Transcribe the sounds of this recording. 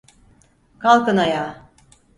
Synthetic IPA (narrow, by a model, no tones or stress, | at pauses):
kʰalˠkɯnajaː